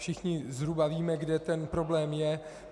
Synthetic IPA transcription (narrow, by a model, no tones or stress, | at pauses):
fʃɪxɲɪzɦɾubaviːmɛɡdɛt̪ɛnpɾo̞blɛːmjɛ